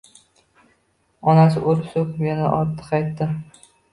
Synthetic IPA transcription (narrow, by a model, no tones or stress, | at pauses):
ɒnasɪʔoɾsopmenɪʔɒɾt̪ʰːɨ̥qɑjt̪ːɪ